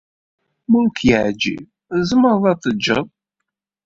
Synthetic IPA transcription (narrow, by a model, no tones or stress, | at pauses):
mʊnkjəʕd͡ʒḭv | zəməɾˤðˤɑt̪ˤːəd͡ʒːəðˤ